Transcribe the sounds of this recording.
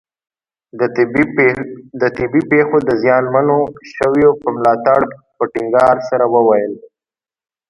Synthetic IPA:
d̪ət̪ɪbipexod̪əzjɑnmanoʃəwjopəmlɑt̪aɽpəʈɪŋɡɑɾsaɾawəwajəl

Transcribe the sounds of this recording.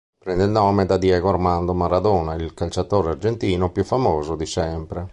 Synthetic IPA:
pɾɛnd̪eilnɔːmed̪ad̪jɛːɡoarmand̪omaɾad̪oːnailkalt͡ʃat̪oːɾeard͡ʒent̪iːnopjufːamoːzod̪isɛmpɾe

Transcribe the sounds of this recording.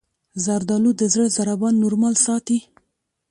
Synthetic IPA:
zaɾd̪ɑlud̪əzəɽzaɾabɑnːuɾmɑlsɑt̪i

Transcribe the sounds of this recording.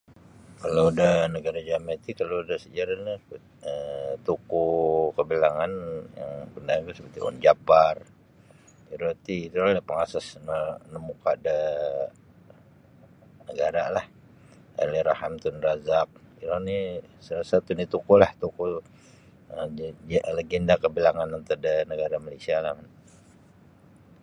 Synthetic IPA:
kalawdanəɡaɾad͡ʒamat̪ikaladahsəd͡ʒaɾani | ət̪ukukəbilaŋanja̰ŋbəndaank̪usəpət̪ḭʔɔ̰nd͡ʒabar | iɾot̪iːt̪uɾanihpəŋasasnənəmukaʔdə | nəɡaɾalah | a̰liɾahamt̪unrazap̚iɾanisəlasat̪unit̪ukulaht̪uku | ə | ləɡɛndakəbilaŋanant̪udənəɡaɾamalesialahkan

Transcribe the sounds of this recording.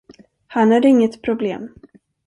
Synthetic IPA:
hanhaɖ̪ɪŋːət̪pʰɾʊblḛːm

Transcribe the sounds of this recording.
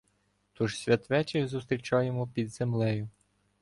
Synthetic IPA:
t̪uʒsʲʋʲɐt̪ʋɛt͡ʃɪxzust̪ɾʲit͡ʃɑjemɔpʲid̪z̥emlˠɛjʊ

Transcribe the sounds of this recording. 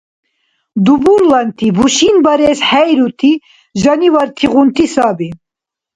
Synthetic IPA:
d̪ubuɾlant̪ʰibuʃinbɐɾɛsħɛjɾut̪ʰi | ʒanivaɾt̪ʰiʁunt̪ʰisaːbi

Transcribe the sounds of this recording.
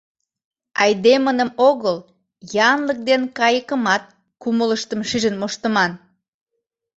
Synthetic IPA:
ɑjd̪emənəmoɣəl | jɑnlək̚d̪enkɑjəkəmɑt̪̚ | kumələʃt̪əmʃiʒənmoʃt̪əmɑn

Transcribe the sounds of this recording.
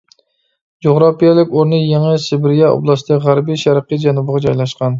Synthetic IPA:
d͡ʒoʁɾɑpijɛlˠɪkʲoɾnɨjeŋɨsɪbɪɾijɛɑ̰blˠɑsd̪ɨʁæɾbiʃæɾqəd͡ʒɛnubəʁɑd͡ʒɑjlˠɑʃqɑn

